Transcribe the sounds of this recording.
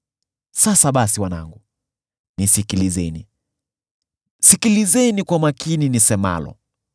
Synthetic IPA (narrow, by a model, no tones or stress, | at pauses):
sasaɓasiwana̰ŋɡu | nisikilizɛni | sikilizɛnikwamakininisɛma̰lɔ̰